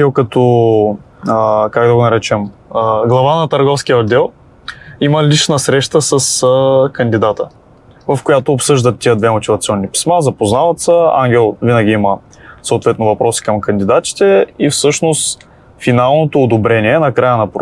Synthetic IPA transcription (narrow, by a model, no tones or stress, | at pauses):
ɛlˠkɐt̪ɔ | əkakd̪ɐɡonɐɾɛt͡ʃɛməɡlˠɐvanɐt̪ɐɾɡɔfsk̟ijəod̪ɛlˠ | iməliʃnəsɾɛʃt̪əsɐsəkɐnd̪id̪at̪ə | vɐfkojat̪oːpsɤʒd̪ət̪ːiəd̪vɛmot̪ʲivɐt̪siɔnːipi̥smazɐpoznavɐt̪səa̰ŋɡʲɛlˠvinəɡʲiimə | soːt̪vɛt̪novɐpɾɔsi̥kəmkɐnd̪id̪at̪ʲi̥t̪ɛifsɤʃnost̪ | finalˠnot̪oːd̪obɾɛniɛnɐkɾajənɐpɾ